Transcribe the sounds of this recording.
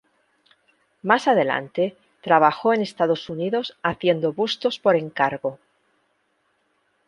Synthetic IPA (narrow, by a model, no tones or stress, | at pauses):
masað̞e̞la̰nt̪e̞ | t̪ɾaβ̞axo̞e̞ne̞st̪aðo̞suniðo̞saθje̞nd̪o̞βust̪o̞spo̞ɾe̞ŋkaɾɣo̞